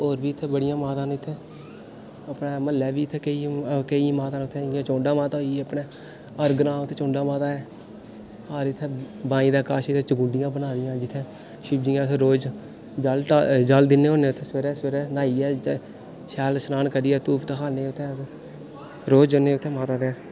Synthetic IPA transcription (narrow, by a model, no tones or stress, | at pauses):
oːɾʋiːt̪ʰːeːbəɽɪjãːmaːt̪ãːnɪt̪ʰːeː | əpneːməlːɛːʋiːɪt̪ʰeːkəikəĩmaːt̪ãːnʊt̪ʰːẽːɪãːt͡ʃõːɳɖaːmaːt̪aoiəpɳeː | əɾɡɾãːʊt̪ʰːeːt͡ʃõːɳɖaːmaːt̪aːɛː | haːɾɪt̪ʰːeː | bãːĩːd̪aːkaːʃɪt̪ʰːeːt͡ʃəɡʊ̃ːɳɖɪjãːbənaːd̪ɪjãːd͡ʒɪt̪ʰːẽː | ʃɪbd͡ʒiːãːt̪ʰːɾoːd͡ʒ | d͡ʒəld͡ʒəld̪ɪnːeːoːneːʊt̪ʰeːsʋəɾɛːsʋəɾɛːnaːiːɛː | ʃɛːlsnaːnkəɾiːɛːt̪uːpt̪aɦaːneːʊt̪ʰːeː | ɾoːd͡ʒoneːʊt̪ʰːeːmaːt̪ãːt̪eː